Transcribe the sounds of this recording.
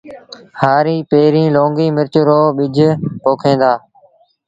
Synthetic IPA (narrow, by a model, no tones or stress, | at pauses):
haːɾiːpeːɾĩːlõːŋɡiːmɪɾt͡ʃɾoːɓɪd͡ʒʱpoːkʰẽːnd̪aː